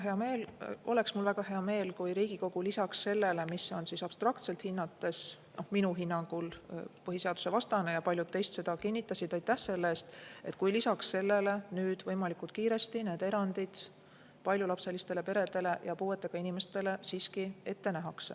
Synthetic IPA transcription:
ɦe̞ɑme̞ːlʔo̞le̞ksmulvæɡ̥ɑhe̞ɑme̞ːlkujɾiːɡ̥iko̞ɡ̥ulisɑksse̞lːe̞le̞miso̞nsisɑb̥st̪rɑkt̪se̞lt̪hinːɑt̪ːˑe̞s | no̞hminuɦinːɑŋɡ̥ulpɤɦise̞ɑd̪u̥se̞vɑst̪ɑne̞jɑpɑlʲjud̪̚t̪ːe̞jst̪sed̪ɑkinʲːit̪ːˑɑsid̪̥ɑjt̪ːæhse̞lːeeːst̪e̞t̪̚kujlisɑksse̞lːe̞le̞nyːd̪̥vɤjmɑlikˑult̪̚kiːɾe̞st̪ine̞ːd̪e̞ɾɑnd̪̥id̪̥ | pɑlʲjulɑpse̞list̪e̞le̞pe̞ɾe̞d̪̥e̞le̞jɑpuːe̞t̪ːˑe̞ɡ̥ɑinime̞st̪e̞le̞siːskie̞t̪ːe̞næɦɑks

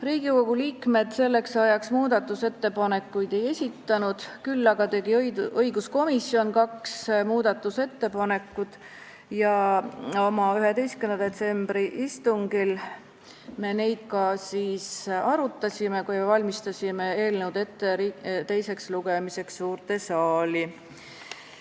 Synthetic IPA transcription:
riːɡ̥iko̞ɡ̥uliːkme̞d̪̥se̞lːe̞ksɑjɑksmuːd̪̥ɑt̪ːˑuse̞t̪ːe̞pɑne̞kːˑujd̪̥e̞je̞sʲit̪ːɑnud̪̥kylːɑɡ̥ɑt̪e̞ɡ̥iɤjɡusko̞misːio̞nkɑksmuːd̪̥ɑt̪ːˑuse̞t̪ːe̞pɑne̞kːˑud̪̥ | jɑ | o̞mɑyɦe̞d̪e̞jstkynd̪ɑd̪e̞t̪se̞mb̥ɾiʔist̪uŋɡ̥il | me̞ne̞jd̪̥̚kɑsiːsɑɾut̪ːˑɑsʲime̞kujvɑlʲmist̪ɑsʲime̞e̞ːlneud̪e̞t̪ːeɾit̪e̞jse̞ksluɡ̥emise̞ksːuːrt̪e̞sɑːli

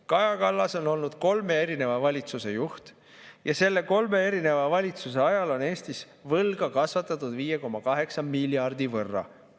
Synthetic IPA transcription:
kɑjɑkɑlːɑso̞no̞lnud̪̥ko̞lme̞eɾine̞vɑvɑlʲit̪suse̞juht̪ | jɑse̞lːe̞ko̞lme̞e̞ɾine̞vɑvɑlʲit̪suse̞ɑjɑlo̞neːst̪is | vɤlɡ̥ɑkɑsvɑt̪ːˑɑt̪ːˑud̪viːjeko̞mːɑkɑɦe̞ksɑmilʲːjɑrd̪̥ivɤrːɑ̰

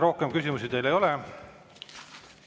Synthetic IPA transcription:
ro̞hkemkysʲimus̬id̪e̞jle̞jo̞le

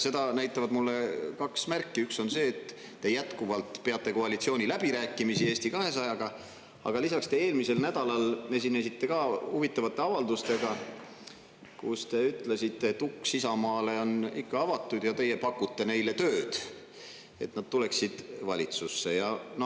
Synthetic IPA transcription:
se̞d̪ɑnæjt̪ːˑɑvɑd̪mulːe̞kɑksmærkːiykso̞nse̞ːt̪ː | e̞jæt̪kuvɑlt̪pe̞ɑt̪ˑːe̞ko̞ɑlʲit̪sio̞ːnʲilæb̥iɾæːkːˑimisie̞ːst̪ikɑɦe̞sɑjɑɡ̥ɑ | ɑ̰ɡ̥ɑlisɑkst̪e̞eːlmise̞lnæd̪̥ɑlɑle̞s̬inːesit̪ːe̞kɑːhuvit̪ˑːɑvɑt̪ːˑe̞ɑvɑld̪ust̪e̞ɡ̥ɑ | kṵst̪e̞yt̪lesit̪ːˑe̞t̪ːukːsisɑmɑːle̞o̞nikːɑɑvɑt̪ːˑud̪̥jɑt̪e̞je̞pɑkːut̪ːe̞ne̞jle̞t̪øːd̪̥ | e̞̰t̪nɑd̪̥̚t̪ule̞ksid̪̥vɑlʲit̪susːe̞jɑno

